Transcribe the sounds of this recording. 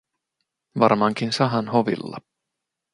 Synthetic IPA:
ʋɑrmɑŋkinsɑɦɑnhoʋḭlːɑ̰

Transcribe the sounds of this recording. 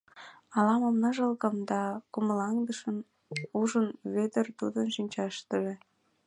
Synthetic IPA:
ɑlɑmomnɤʒəlkə̆md̪ɑkuməlɑŋd̪əʃən | uʒənβed̪ərt̪ud̪ənʃinʲt͡ɕɑʃt̪əʒĕ

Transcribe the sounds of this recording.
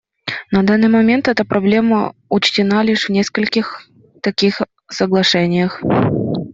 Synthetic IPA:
nɐd̪anːɨjmɐmʲe̞nt̪ɛt̪əpɾɐblʲe̞məʊt͡ɕtʲɪnalʲiʂvnʲeskəlʲkʲɪx | t̪ɐkʲix | səɡlˠɐʂɛnʲɪjəx

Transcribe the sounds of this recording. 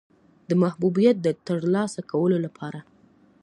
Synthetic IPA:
d̪əmahbubijat̪̚d̪ət̪əɾlɑsakawəlolapʰɑɾa

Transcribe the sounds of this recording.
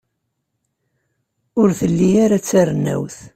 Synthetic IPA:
ʊɾθəlːiaɾat͡sːarənːæ̰wθ

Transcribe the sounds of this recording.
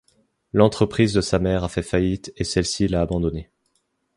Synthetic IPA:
lɑ̃t̪χəpχizd̪əsamɛʁafɛfajit̪esɛlsilaːbɑ̃d̪ɔne

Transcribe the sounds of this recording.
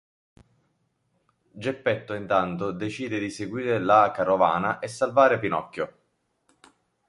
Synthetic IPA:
d͡ʒepːɛt̪ːoint̪ant̪od̪et͡ʃiːd̪ed̪iseɡwiːɾelakarovaːnaʔesːalvaːɾepinɔkːo

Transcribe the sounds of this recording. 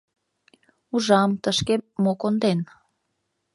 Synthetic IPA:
uʒɑmt̪əʃkemːokond̪en

